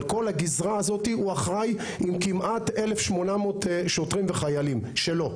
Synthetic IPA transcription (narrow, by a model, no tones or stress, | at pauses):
lko̞lhaɡizʁaːzo̞t̪iuaχʁaj | imkimʔat̪elefʃmo̞namoːt̪ʃot̪ʁimveχajalimʃelo̞